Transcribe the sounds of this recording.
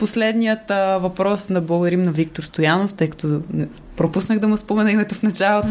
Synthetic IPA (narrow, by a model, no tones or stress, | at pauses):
poslɛd̪nijət̪vɐpɾɔsnɐblˠəɡod̪ɐɾimnɐvik̚t̪oɾst̪ojanoft̪ɤjkɐt̪ɔnɛ | pɾopusnəɣd̪ɐmʊspomɛnəimɛt̪ofnɐt͡ʃalˠot̪